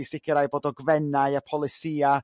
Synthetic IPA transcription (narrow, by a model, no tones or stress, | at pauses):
sɪkʰəɾajboːdɔɡvɛnaɨapʰɔlˠɪsiːa